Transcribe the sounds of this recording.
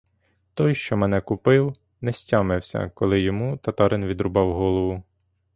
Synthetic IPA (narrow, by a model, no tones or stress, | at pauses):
t̪ɔjʃt͡ʃɔmɛnɛkʊpɪw | nɛsʲtʲɑmɪwsʲɐ̰kɔlˠɪjɔmut̪ɐt̪ɑɾɪnʋʲid̪ɾʊbɑwɦɔlˠɔʋʊ